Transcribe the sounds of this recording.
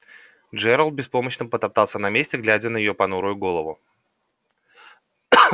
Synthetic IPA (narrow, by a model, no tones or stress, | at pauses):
d͡ʐɛɾəlˠt̪̚bʲɪspo̞məɕnəpət̪ɐp̚t̪ɑlˠsʲənɐmʲesʲtʲɪɡlʲædʲənəjɪjo̞pɐnuɾʊjʊɡo̞lˠəvʊ